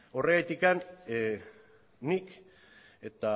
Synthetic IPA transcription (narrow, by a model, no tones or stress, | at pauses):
o̞reɣajt̪ikan | ik | e̞t̪a